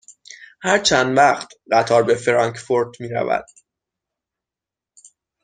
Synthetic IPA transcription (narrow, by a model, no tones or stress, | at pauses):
hæɾt͡ʃʰænd̪væχt̪ʰɢæt̪ʰɒːɾbe̞fɾɒŋkʰfoɾd̪miːɾæ̰væ̰d̪̥̚